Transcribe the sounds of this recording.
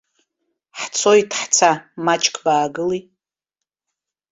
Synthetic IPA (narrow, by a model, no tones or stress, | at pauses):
ħt͡sʰojtʰħt͡sʰamat͡ʃʼkʰʼbaːɡɨli